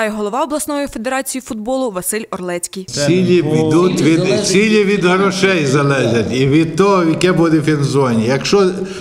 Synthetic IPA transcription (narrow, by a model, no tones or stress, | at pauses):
tɑjɦɔlˠɔʋɑɔblˠɐsnɔjife̞d̪eɾɑt͡sʲijifʊd̪̚bɔlˠʊʋɐsɪlʲɔrlˠɛt͡sʲkʲijʲilʲipʲid̪ut̪ʲʋʲid̪t͡sʲilʲiʋʲid̪ɦɾɔʃɛjzɐlˠɛʒʲɐtʲiʋʲid̪̚t̪ɔɦɔʋjɐkɛbud̪ɪfʲinzɔnʲijɐkʃt͡ʃɔ